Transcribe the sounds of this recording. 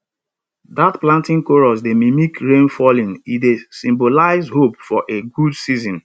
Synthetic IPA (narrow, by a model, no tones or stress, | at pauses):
datplãntĩŋkoɹɔs̬demimikɹẽnfɔlĩnidesĩmbolaɪzɦopfɔʔeɡudsizɔ̃n